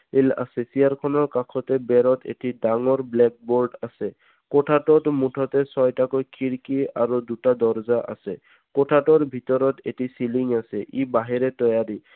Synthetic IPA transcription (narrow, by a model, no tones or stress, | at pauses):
ela̰sesiaɹkʰɔnɔɹkakʰɔt̪ɛbɛɾɔt̪ʰḛtidaŋɔɹblɛk̚boɹɖasɛ | kɔʈʰaʈɔtmuʈʰɔt̪ɛsɔjtakɔjkʰiɹkiaɹud̪utad̪ɔɹzaʔa̰sɛ | kɔʈʰatɔɹbʱit̪ɔɾɔt̪ḛtisiliŋasɛʔibaɦiɾɛt̪ɔjaɾi